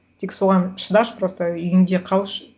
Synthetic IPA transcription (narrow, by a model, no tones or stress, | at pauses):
t̪ʰeksoʁɑnʃəd̪ɑʃpɾost̪əʏjɪnd̪e̞qʰɑlˠʃ